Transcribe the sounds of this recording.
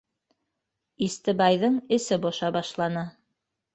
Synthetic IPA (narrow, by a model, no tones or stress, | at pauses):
ist̪ɘ̆bɑjðɤɴɘ̆sɘboʃɑbɑʃlˠɑnɤ